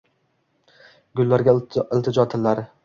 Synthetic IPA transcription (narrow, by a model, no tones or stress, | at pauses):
ɡʲʊlːaɾɡʲaɪlt̪ʰɪd͡ʒɒt̪ʰɪlːaɾɪ